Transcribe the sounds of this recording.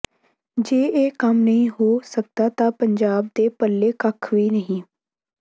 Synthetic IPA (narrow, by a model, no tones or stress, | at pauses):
d͡ʒeːeːkəmnəɦĩːɦoːsək̚d̪aːt̪ãːpəɲd͡ʒaːb̚d̪eːpəlːeːkəkʰʋiːnəɦĩː